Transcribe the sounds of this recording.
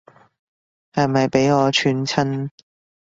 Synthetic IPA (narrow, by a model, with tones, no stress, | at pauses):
hɐ˨jmɐ˨jpe˨˥jŋɔː˨˧t͡ʃʰyː˨˧nt͡sʰɐ˥n